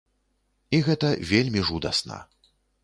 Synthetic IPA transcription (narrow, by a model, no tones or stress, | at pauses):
iɣɛt̪ɐvʲelʲmʲiʐud̪ɐ̰snɐ̰